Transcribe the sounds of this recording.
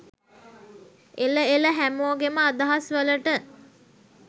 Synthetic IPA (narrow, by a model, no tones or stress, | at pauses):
eləeləɦæmoːɡeməad̪aɦasʋələʈə